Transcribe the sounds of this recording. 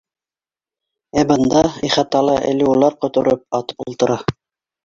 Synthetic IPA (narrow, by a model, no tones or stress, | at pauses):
æbɤ̆nd̪ɑiχɑt̪ɑlˠɑʔɘ̰̆lɘulˠɑɾqŏt̪ŏɾɤp̚ɑt̪ulˠt̪ɤ̆ɾɑ